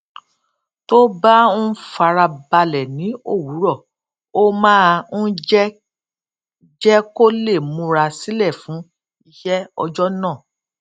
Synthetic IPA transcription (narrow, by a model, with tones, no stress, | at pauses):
to˦bã˦fa˧ɾa˧ba˧lɛ˨nĩ˨˦o̰˦˨wu˨˦ɾɔ˦˨ | o˦mãː˦˧n̩˦d͡ʒɛ˦ | d͡ʒɛ˦ko˦le˦˨mũ˧ɾa˧si˦lɛ˦˨fũ˨˦ | i˧ʃɛ˦ɔ̰˧d͡ʒɔ˦nãː˦˨